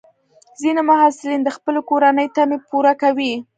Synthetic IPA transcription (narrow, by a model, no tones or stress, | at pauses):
zinimʊɦasɪlind̪əxpəlokoɾanəjt̪amepuɾakawi